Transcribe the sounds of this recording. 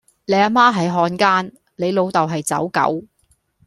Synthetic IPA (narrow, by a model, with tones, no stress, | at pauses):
le˨˧jaː˧maː˥ɦɐ˨˥jɦɔː˧nkaː˥n | le˨˧jlo˨˧wt̪ɐ˨wɦɐ˨jt͡sɐ̰˨˥wkɐ̰˨˥w